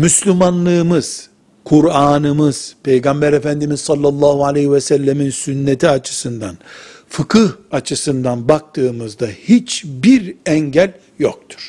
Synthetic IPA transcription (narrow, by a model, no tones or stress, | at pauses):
myslʲymanlˠɯːmɯz̥ | kʰuɾaːnɯmɯz̥pʰe̞jɡambæɾefænd̪imizsɑlˠːɑlˠːaːhualʲehivɛsælʲːeminsynːet̪ʰiat͡ʃʰɯ̥sɯnd̪anfɯkʰɯhat͡ʃʰɯsɯnd̪anbak̚t̪ʰɯːmɯzd̪ahit͡ʃbiɾɛɲɟælʲ | jok̚t̪ʰu̥ɾ̥